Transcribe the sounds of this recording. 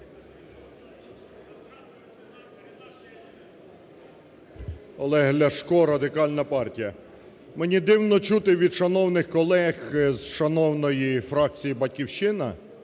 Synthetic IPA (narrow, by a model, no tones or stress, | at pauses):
ɔlˠɛɦlʲɐʃkɔɾɐd̪ɪkɑlʲnɐpɑrtʲijɐ | menʲid̪ɪwnɔt͡ʃut̪ɪʋʲid̪ʃɐnɔwnɪxkɔlˠɛxzʃɐnɔwnɔjifɾɑk̚t͡sʲijibɐtʲkʲiwʃɪnɐ̰